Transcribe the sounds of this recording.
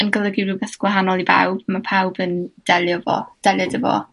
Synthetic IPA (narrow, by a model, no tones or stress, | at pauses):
ənɡəlˠəɡirubɛθɡ̥waɦanɔlˠiba̰wb̥mapʰawbənd̥ɛlˠjɔvɔ̰d̥ɛlˠjədəvɔ̰